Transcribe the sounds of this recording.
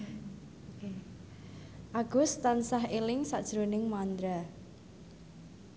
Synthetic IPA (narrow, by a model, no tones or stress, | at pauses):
ʔaɡ̥ʊst̪ansaɦelɪŋsaʔd̥ʒ̥ɾonɪŋmand̪ɾa